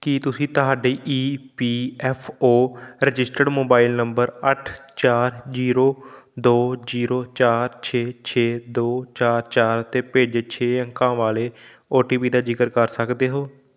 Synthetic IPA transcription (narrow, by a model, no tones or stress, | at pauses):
kit̪ʊsĩːt̪əɦaːɖiːʔiːpiːɛːpʰoːɾɪd͡ʒɪsʈəɖmoːbaːɪlnəmbəɾəʈʰt͡ʃaːɾziːɾoːd̪oːziːɾoːt͡ʃaːɾt͡ʃʰeːt͡ʃʰeːd̪oːt͡ʃaːɾt͡ʃaːɾt̪eːpeːd͡ʒeːt͡ʃʰeːjãŋkãːʋaːleː | oːʈiːpiːd̪aːd͡ʒɪkəɾkəɾsəkd̪eːɦoː